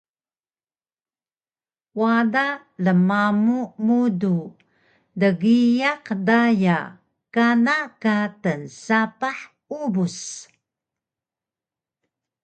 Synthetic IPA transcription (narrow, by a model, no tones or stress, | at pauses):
wada | ləmamumudu | dəɡijaqdaja | kanakatənsapaħ | ubus